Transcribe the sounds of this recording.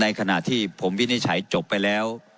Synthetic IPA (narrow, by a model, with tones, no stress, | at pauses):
na˧jkʰa˧na˨˩t̪ʰːiː˥˩pʰo˩˦mwi˦˥˩ni˦˥˩t͡ɕʰa˩˦jt͡ɕo˨˩pːa˧jlɛː˦˥w